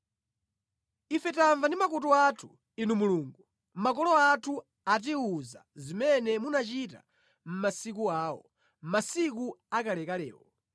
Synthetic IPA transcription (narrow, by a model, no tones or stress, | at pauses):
ifɛtaɱvandimakɔt̬ɔatʰu̥ | inumuluːŋɡu | makɔlɔatʰu | at̬iuza̰zimɛnɛmunat͡ʃita̰ | m̩masik̬uaːwɔ | m̩masik̬uakalɛkalɛ̰ːwɔ